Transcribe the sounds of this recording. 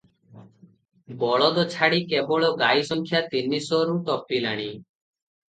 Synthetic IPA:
bɔɭɔd̪ɔt͡ʃʰaɽikebɔɭɔɡajsɔŋkʰjat̪inisɔɾuʈɔpilaɽ̃i

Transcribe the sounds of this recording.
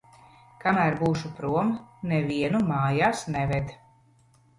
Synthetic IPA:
kamæɾbuːʃupɾuɔmnɛvʲiɛnumaːjaːsnɛvɛd̪

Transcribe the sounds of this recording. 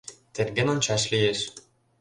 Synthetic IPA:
t̪erɡʲenŏnt͡ɕɑʃlʲijeʃ

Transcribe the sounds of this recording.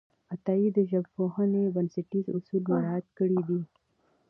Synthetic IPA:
ɐt̪aːid̪aʒɐbfoɦãnebɐnsɪʈizʊ̰suːlmeɾaːt̪̚kəɽid̪iː

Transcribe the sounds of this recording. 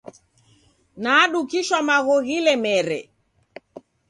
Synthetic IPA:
naːɗukiʃwamaɣɔɣilɛmɛɾɛ

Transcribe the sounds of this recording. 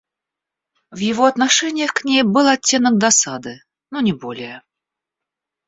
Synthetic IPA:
vjɪvoɐt̪naʂɛnʲɪjəxknʲejbɨlˠɐtʲːe̞nək̚d̪asad̪ɨ | nonʲɪbolʲɪjə

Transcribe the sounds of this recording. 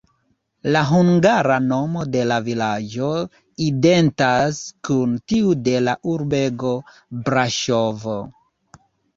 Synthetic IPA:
laɦuŋɡaɾano̞mo̞de̞lavilad͡ʒo̞ | ide̞ntaskuntiude̞laʔuɾbe̞ɡo̞ | bɾaʃovo

